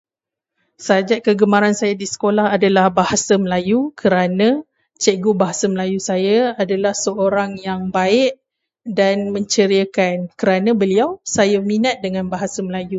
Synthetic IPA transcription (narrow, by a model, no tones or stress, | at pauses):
sad͡ʒaʔ̚kəɡəmaɾansajadisə̥kolahadalahbahasaməlajukʰəɾanã | t͡ʃəɡubaɦasaməlajusajaadalahsəoɾaŋjaŋbaɪʔ | danmə̃ɲt͡ʃəɾiakankəɾanãbəliawsajaminat̪̚dəŋãnbaɦasaməlaju